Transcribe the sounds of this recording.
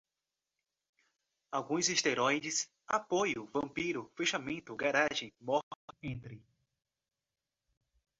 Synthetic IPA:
awɡũj̃zist̪eɾojd͡ʒɪs | apojʊvɐ̃mpiɾʊfeʃamẽnt̪ʊɡaɾaʒẽj̃mɔhẽnt̪ɾɪ

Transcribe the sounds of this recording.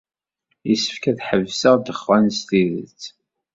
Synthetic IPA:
jisə̥fkæθħəvsəʁd̪əχvænst̪iðə̰t͡sː

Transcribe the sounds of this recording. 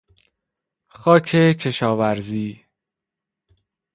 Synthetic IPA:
xɒːcʰecʰe̞ʃɒːvæɾziː

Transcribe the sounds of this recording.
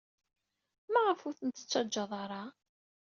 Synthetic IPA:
mæʁəfuθənt̪ːə̥t͡sːɑd͡ʒːɑðˤɑɾˤɑ

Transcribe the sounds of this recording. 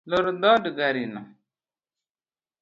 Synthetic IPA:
loɾdɔdəɡaɾina

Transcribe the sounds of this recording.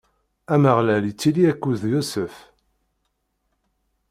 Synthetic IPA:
æməʁlælit͡sːiliækːuðjusəf

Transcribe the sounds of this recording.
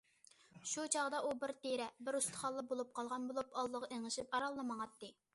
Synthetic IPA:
ʃut͡ʃʰɑʁd̪ɑʔubɪɾt̪ʰeɾɛbɪɾust̪ʰə̥χɑlˠːəbolˠup̚qʰɑlˠʁɑnbolˠupɑlˠːəʁɑeŋɨʃipɑɾɑlˠːəmɑŋɑt̪ːɨ

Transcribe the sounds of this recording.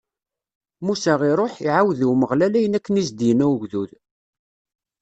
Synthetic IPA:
musæʁiɾˤoħiʕawðiwməʁlælæjənækːənizd̪jənæwɡðuð

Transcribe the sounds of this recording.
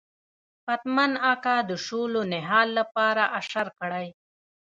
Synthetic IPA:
fat̪manakad̪əʃolonɪɦɑːlːapɑːɾaʔaʂaɾkəɽaj

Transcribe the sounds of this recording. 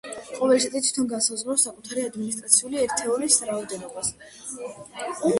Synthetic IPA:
qʼɔvɛlisʼt̪ʰʼit̪ʰwi̥t̪ʰɔnɡansazʁɾɔsakʼut̪ʰaɾiad̪minist̪ʼɾat̪sʰiuliɛɾt̪ʰɛɔɾisɾaɔd̪ɛnɔbas | u

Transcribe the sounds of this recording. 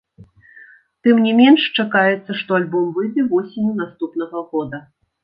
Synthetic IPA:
t̪ɨmnʲɛmʲɛnʂt͡ʂakajɛt̪sːɐʂt̪ɔalʲbɔmvɨd̪ɨvɔsʲenʲunast̪upnɐɣɐɣɔd̪ɐ

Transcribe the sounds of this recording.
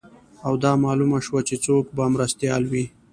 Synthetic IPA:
awd̪ɑmɑlumaʃwat͡ʃet͡sokbamɾast̪jɑlwi

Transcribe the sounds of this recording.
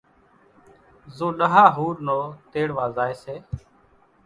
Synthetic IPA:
zõːɗəɦaːɦuːɾnoːt̪eːɽʋaːzaːeːseː

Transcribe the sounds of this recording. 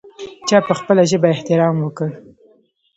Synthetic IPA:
t͡ʃɑpəxpəlaʒəbaɪht̪ɪɾɑmwəkəɽ

